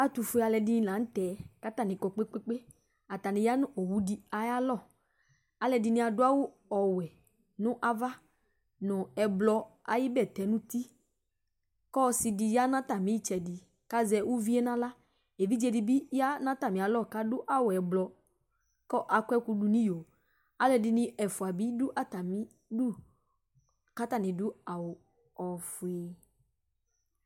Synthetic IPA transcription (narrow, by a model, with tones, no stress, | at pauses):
a˨t̪u˨fu˦˨a˨lɛ˨dɪ˦nĩ˦lã˨˦n̩˦t̪ɛ˨˦ka˦t̪a˦˨nɪ̃˨kɔ˨k͡pe˦k͡pe˦k͡pe˦ | a˨t̪a˨nɪ̃˨ja˦nʊ̃˦o˨wu˦di˦a˨ja˦lɔ˦˨ | a˨lɛ˨dɪ˨nɪ̃˦a˨dʊ˦a˦wʊ˦ | ɔ˨wɛ˨ | nʊ̃˦ʔa˦va˦ | nʊ̃˨ɛ˨blɔ˧a˨jɪ˦bɛ˦˨t̪ɛ˨nʊ̃˦t̪i˦ | kɔ˦sɪ˨di˨ja˦nã˦t̪a˨mĩ˨˦i˦t͡ʃɛ˨di˨ | ka˦zɛ˨wʔu˦vi˦ɛ˦nã˦la˦ | e˨vi˦d͡ʒɛ˨di˨bi˦ja˦nã˦t̪a˨mĩ˨a˨lɔ˦ka˦dʊ˦ʔa˦wʊ˨ɛ˨blɔ˨ | kɔ˦ʔa˨kʷɛ˦ku˦ɖu˨nĩ˦jo˨ | a˦lɛ˨dɪ˨nɪ̃˦ʔɛ˨fu˨a˨bi˦dʊ˦ʔa˦t̪a˨mĩ˦ | dʊ˦ | ka˦t̪a˦nɪ̃˨dʊ˦a˨wʊ˨ | ɔ˨fu˨e˨